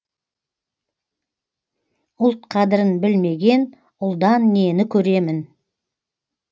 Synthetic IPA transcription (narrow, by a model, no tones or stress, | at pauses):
ʊlˠt̪̚qʰɑd̪əɾənbɪlme̞ɡʲe̞n | ʊlˠd̪ɑnːe̞nɪkʲʰɵɾe̞mɪn